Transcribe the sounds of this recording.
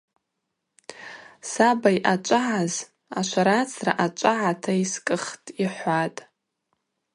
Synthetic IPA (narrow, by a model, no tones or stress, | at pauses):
sabajʔat͡ʃʷʼaʕaz | aʃʷʰaɾat͡sʰraʔat͡ʃʷʼaʕatʰaiskʼɨχtʼiħʷatʼ